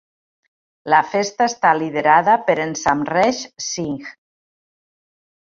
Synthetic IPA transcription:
lafest̪aest̪aliðeɾaðapeɾensamrɛʃsiŋx

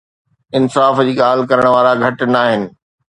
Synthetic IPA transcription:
ɪnsaːfd͡ʑiːɠaːlɪkɐɾəɽ̃ʋaːɾaɡʱɐʈnaːɦɪnɪ̆

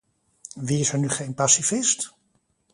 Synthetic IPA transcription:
ʋiɪsɛɹnyχejnpasifɪst

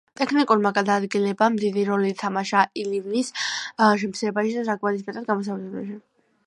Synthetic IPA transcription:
t̪ʼɛkʰnikʼuɾmaɡad̪aːd̪ɡilɛbamd̪id̪iɾɔlit̪ʰamaʃailivnisʃ̬ɛmp̪ʰsiɛbaʃɛd̪asakʰʼmaɾis̬pɛt̪ʰʼad̪ɡamɔs̬avlɛba̰ʃi

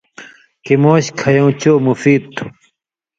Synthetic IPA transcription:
kimoːɕkʰɐjõːt͡ɕoːmufiːd̪̚t̪ʰu̥

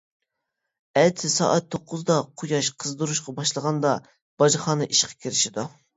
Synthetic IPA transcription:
ɛt̪ʰɪsɑ̰ːʔɛt̪ʰːoqʰːʊzd̪ɑqʰʊjɑʃqʰəzd̪uɾuʃqɑbɑʃlˠəʁɑnd̪ɑ | b̥ɑʒɨχɑːnɨʔiʃqʰɑ̥kʲʰiɾɪʃid̪u

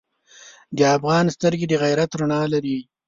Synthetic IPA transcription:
d̪əafɣɑːnst̪əɾɡed̪əɣajɾat̪ɾaɳɑlaɾi

